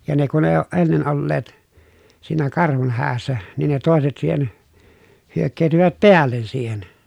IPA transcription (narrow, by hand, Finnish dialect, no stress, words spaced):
jɑ ne kun eː oːʔ ʔenːen olːeːt siːnæ kɑrhun hæːsːæ niːn ne toˑeset siːhen hyøkːeːtyʋæt peælːen siːhen